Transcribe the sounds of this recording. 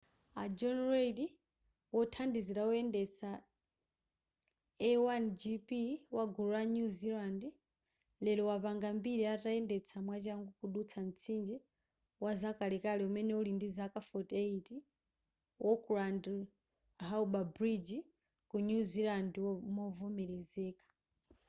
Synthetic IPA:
a̰d͡ʒɔnredi | wɔtʰandiziɾawɔɛndɛt͡sʰa | ɛwand͡ʒipiwaɡuɾaɲuzilandi | lɛlɔwapaŋɡambiɾiataɛndɛt͡sʰamwat͡ʃaŋɡukuɗut͡sʰan̩t͡sʰind͡ʒɛ | wazakʼalɛkalɛumɛnɛulindizakʼafɔteiti | wʔɔkʼuɾandi | ɦauɓabɾid͡ʒi | kuɲuzilandimɔvɔmɛɾɛzɛːkʼḁ

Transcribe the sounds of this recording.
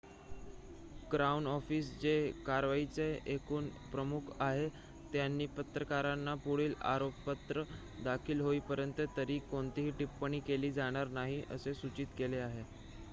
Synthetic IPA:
ɡɾaunɔfiːsd͡ʑekaɾʋait͡seekuːnpɾəmukʰaɦe | t̪janːiːpət̪ɾəkaɾanːapuɽiːla̰ɾoppət̪ɾə | d̪akʰiːlɦoiːpəɾjənt̪ət̪əɾiːkoɳt̪iɦiːʈipːəɽ̃iːkeliːd͡zaɽ̃aɾnaɦiʔə̰sesut͡ɕiːt̪keleaɦe

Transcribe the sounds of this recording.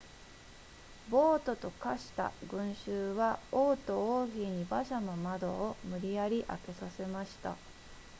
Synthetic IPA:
bo̞ːt̪o̞t̪o̞kaɕi̥t̪a̰ɡɯ̟̃ɰ̃ɕɨːβaoːt̪o̞oːçʲiɲ̟ibaɕamomad̪o̞ːmɯ̟ɾʲijaɾʲiʔa̰ke̞sase̞maɕi̥t̪a̰

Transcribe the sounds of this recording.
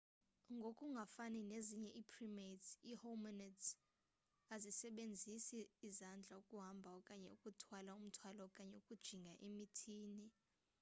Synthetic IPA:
ŋɡʱokʼuŋɡʱafanineziɲɛʔiːpʰrimetsihomɔnɛds | azisɛɓend͡zʱisiːzand͡ɮʱaukʼuɦambʱaɔkʼaɲɛ̰ukʼutʰwalaum̩tʰwalɔkʼaɲɛukʼud̥ʒ̥ʱiŋɡʱaʔemitʰiːni

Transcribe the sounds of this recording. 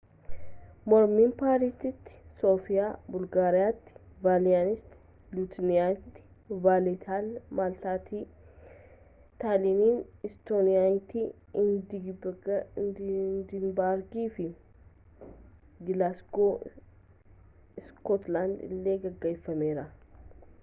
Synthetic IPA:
mɔɾmiːmpaːɾiːst̪ɪt̪ːɪ̥so̞ːfɪjaːbʊlɡaːɾɪjaːt̪ːɪ̥vaːlɪjaːnɪst̪ɪ̥ | lut̪nɪjaːt̪ːɪ̥ | vaːlɛt̪ʰaːlmaːlt̪aːt̪ʰiː | t̪aːliniːnɪst̪oːnɪjaːt̪ːi | d | nd̪ɪnbaɾɡiːfɪ | ɡɪlasko | ɪskɔt̪laːnd̪ɪ̰lːe̞ːɡɐɡːɐɪfːɐme̞ːɾɐ

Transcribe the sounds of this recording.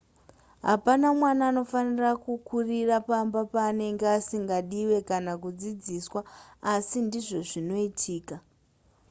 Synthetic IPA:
ɦa̰panamwanaːno̞fanirakukurirapambapaːne̞ŋɡeasiŋɡaɗiwe̞kanakud͡zid͡ziswaːsindiʐo̞ʐino̞itʰiːka

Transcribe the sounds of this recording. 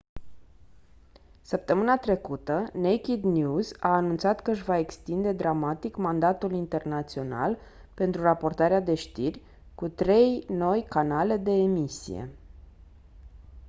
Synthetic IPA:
səp̚t̪əmɨnat̪ɾe̞kut̪ənejkʲid̪njuzaːnunt̪sat̪kəɨʃvae̞kst̪ind̪e̞d̪ɾamat̪ikmand̪at̪ulint̪e̞rnat̪sio̞na̰l | pe̞nt̪ɾurapo̞rt̪aɾead̪e̞ʃt̪irʲ | kut̪ɾe̞jno̞jkanale̞d̪e̞ːmisḭje̞̰

